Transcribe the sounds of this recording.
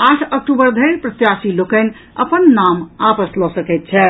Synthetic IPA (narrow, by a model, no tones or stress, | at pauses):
aʈʰək̚ʈubəɾd̪ʱəɪɾpɾət̪jasilokən̆ | əpənːamapəslɔsəkɛɪt̪̚t͡ʃʰɛ